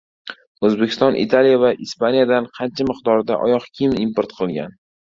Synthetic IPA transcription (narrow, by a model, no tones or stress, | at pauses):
ɵzbekʲɪ̥st̪ɒnʔḭt̪ʰalijavaʔispanijad̪anqʰɑnt͡ʃʰamɨqd̪ɒɾd̪a̰ʔɒ̰jɒqkʲʰimimpoɾt̪qʰɨlˠɡʲa̰n